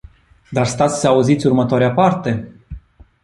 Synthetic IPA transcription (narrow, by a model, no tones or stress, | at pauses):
d̪arst̪at̪sə̥səauzit̪sʲurmət̪oaɾeapart̪e̞